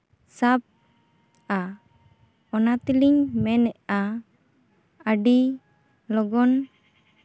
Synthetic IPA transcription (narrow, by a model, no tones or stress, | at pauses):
sap̚ | a | ɔnat̪iliŋmɛnɛʔa | əɖi | lɔɡɔn